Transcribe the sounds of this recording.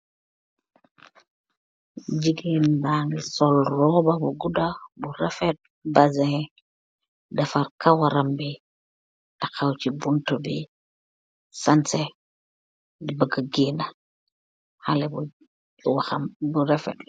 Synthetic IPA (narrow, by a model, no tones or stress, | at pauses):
d͡ʒiɡinbaŋisɔlrɔbabuɡudabuɾɛfɛt̚ | bazɛ | dafaɾkawaɾambi | takawt͡ʃibuntɔbi | sansɛ | dibəɡaɡina | halɛbu | waxambuɾɛfɛ̰t